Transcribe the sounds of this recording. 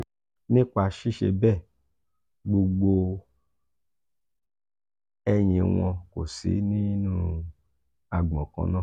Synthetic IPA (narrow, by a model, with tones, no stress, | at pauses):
nĩ˦ka˧ʃi˦ʃḛ˧bɛ˦˨ | ɡ͡bo˧ɡ͡bo˧ | ɛ˦ɲ̃ĩ˨w̃ɔ̃˧ko̰˨sḭ˨˦nĩ˦nũ˦ | a˧ɡ͡bɔ̃˨kɔ̰̃˧nã˦˨